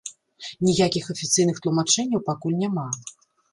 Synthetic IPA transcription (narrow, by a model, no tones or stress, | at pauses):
nʲijakʲixɐfʲit̪sɨjnɨxt̪lˠumat͡ʂɛnʲːɐwpakulʲnʲama